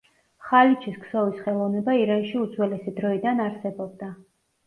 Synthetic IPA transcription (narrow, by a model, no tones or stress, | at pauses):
χalit͡ʃʰisksɔvisχɛlˠɔvnɛbaiɾanʃiud̪zwɛlɛsid̪ɾɔid̪anaɾsɛbɔb̚d̪a